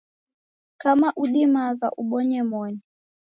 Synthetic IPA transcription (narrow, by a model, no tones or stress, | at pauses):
kʰamaʔuɗimaza̰ʔuɓɔɲɛmɔːni